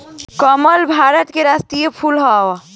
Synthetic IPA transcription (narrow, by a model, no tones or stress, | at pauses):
kəməlbʱaɾət̪keɾast̪ijepʰulɦaʋa